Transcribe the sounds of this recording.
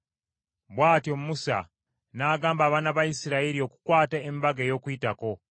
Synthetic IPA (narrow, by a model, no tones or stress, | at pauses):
βwaːtiomumusa̰ | naːɡaːmbaːβaːnaβajisiɾaeɾio̞ku̥kwaːtaemibaɡejo̞ːkuitako̞